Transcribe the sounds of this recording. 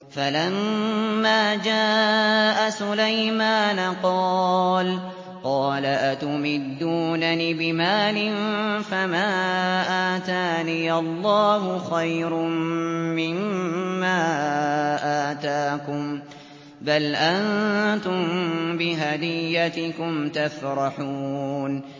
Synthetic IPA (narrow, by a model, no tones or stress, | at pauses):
falamːaːd͡ʒaːʔasʊlajmaːnaqɑːl | qɑːlaʔat̪ʊmɪd̪ːuːnanibɪmaːlɪnfamaːʔaːt̪aːnijɑlˤːɑːɦʊxajɾʊmmɪmːaː | ʔaːt̪aːkʊm | balʔant̪ʊmbɪɦad̪ɪjːat̪ɪkʊmt̪afɾˤɑħuːn